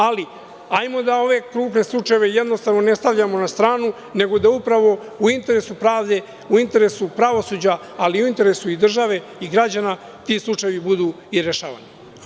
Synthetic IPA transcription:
ali | ajmo̞d̪ao̞ʋe̞kɾuːpne̞slˠut͡ʂae̞ʋe̞jed̪no̞st̪aʋno̞ne̞st̪aʋʎamo̞nast̪ɾaːnu | ne̞ɡo̞d̪aupɾaʋo̞ | uint̪e̞ɾe̞supɾaːʋd̪e̞ | uint̪e̞ɾe̞supɾaʋo̞suːd͡ʑaː | liuint̪e̞ɾesuid̪r̩ʒaʋe̞ | iɡɾad͡ʑana | t̪islˠut͡ʂajeʋibud̪uː | iɾeʃa̰ːʋa̰ni

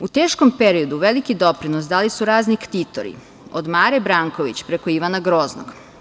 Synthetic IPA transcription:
ut̪e̞ːʃko̞mpeɾio̞d̪uʋe̞likid̪o̞pɾinosd̪alisuɾaːznikt̪it̪o̰ɾḭ | od̪maːɾebɾaːŋkoʋit͡ɕpɾe̞ko̞iʋanaɡɾo̞ːzno̰ɡ̥

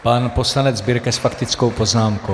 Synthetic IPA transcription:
panpo̞slanɛd͡zbɪɾkɛsfakt̪ɪt͡sko̞wpo̞znaːmko

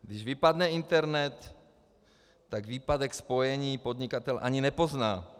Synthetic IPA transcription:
ɡd̪ɪʒvɪpadnɛɪnt̪ɛɾnɛt̪ | aɡviːpadɛkspojɛɲiːpod̪ɲɪkat̪ɛlʔa̰ɲinɛpo̞znaː

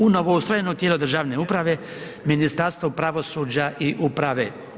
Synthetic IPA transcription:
unoʋoust̪ɾojenot̪jeːlˠod̪r̩ʒaːʋne̞upɾaʋe̞ | minist̪aɾst̪ʋopɾaʋo̞suːd͡ʑaʔiʔupɾaʋe̞

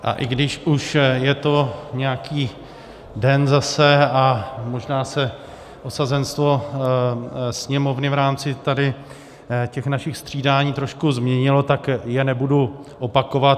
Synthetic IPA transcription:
ʔa̰ʔɪɡdɪʃʔuʃjɛt̪oɲɛjakiː | dɛnzasɛamoʒnaːsɛ | ʔosazɛnst̪vo̞ | sɲɛmo̞vnɪvɾaːmt͡sɪt̪adɪ | cɛxnaʃɪxst̪r̝̥iːdaːɲiːt̪ɾo̞ʃkuzmɲɛɲɪlo̞t̪akjɛnɛbuduʔopakovat̪

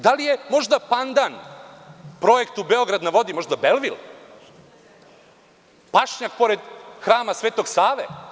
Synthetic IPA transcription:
d̪alijemo̞ʐd̪apand̪an | pɾo̞je̞kt̪ubeo̞ɡɾad̪naʋo̞d̪imo̞ʒd̪abelʋil | paʃɲak̚po̞ɾed̪xɾaːmasʋeːt̪o̞ɡsaːʋe

